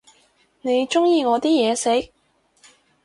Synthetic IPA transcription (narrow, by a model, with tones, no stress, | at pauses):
ne˨˧jt͡ʃʊ˥ŋjiː˧ŋɔː˨˧t̪iː˥jɛː˨˧se˨˥k̚